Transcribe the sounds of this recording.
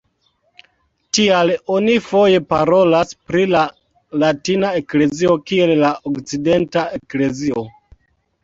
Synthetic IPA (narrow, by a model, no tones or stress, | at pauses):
tialo̞nifo̞je̞paɾo̞laspɾila | latinae̞kle̞zio̞kie̞llaʔokt͡side̞ntae̞kle̞zio̞